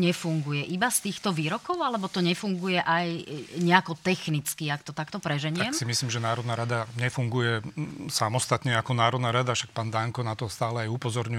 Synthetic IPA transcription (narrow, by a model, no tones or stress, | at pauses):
ɲɛfuŋɡujɛʔibast̪iːxt̪ɔʋiːɾɔkɔʊalɛbɔt̪ɔɲɛfuŋɡujɛʔajɲɛakɔt̪ɛxnit͡skiakt̪ɔt̪akt̪ɔpɾɛʒɛɲɪaɛmksimisliːmʒɛnaːɾɔd̪naɾad̪aɲɛfuŋɡujɛsamɔst̪at̪ɲɛakɔnaːɾɔd̪naɾad̪afʃak̚paːnd̪aŋkɔnat̪ɔst̪aːlɛajupɔzɔɾɲu